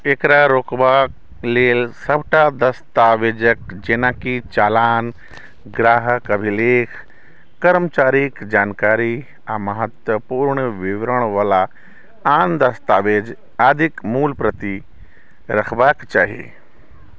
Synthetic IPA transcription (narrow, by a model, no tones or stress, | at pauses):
ekɾaɾoːkʋaːk | leːlsɐbʱʈad̪ɐst̪aːʋeːd͡ʒəkd͡ʒeːnakit͡ʃaːlaːn | ɡɾaːɦəkɐbʱileːkʰː | ɐɾmt͡ʃaːɾikd͡ʒaːnkaːɾi | amɐɦət̪wəpuːɾɳəʋɪʋɾəɽ̃ʋaːla | aːnd̪ɐst̪aːʋeːd͡ʒ | aːd̪ʱikmuːlpɾət̪i | ɾɐkʰbaːkt͡ʃa̰ːɦiḛː